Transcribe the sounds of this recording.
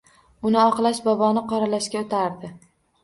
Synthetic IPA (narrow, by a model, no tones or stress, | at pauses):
ʊnɪɒqlˠaʃbɒbɒnɪqʰɒɾalaʃkʲaot̪ʰaɾd̪ɪ